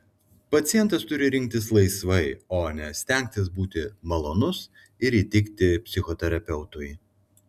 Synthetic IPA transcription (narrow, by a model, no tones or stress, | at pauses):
pɐt̪sʲɪjɛnt̪ɐst̪ʊɾʲɪɾʲɪŋʲk̚ʲt̪ʲɪslˠɐɪsʋɐɪoːnʲɛsʲt̪ʲɛˑŋʲk̚ʲt̪ʲɪsbuːt̪ʲɪmɐlˠoːnʊs | ɪɾiːt̪ʲɪkt̪ʲɪpʲsʲɪxɔt̪ʲɛɾɐpʲɛʊt̪ʊj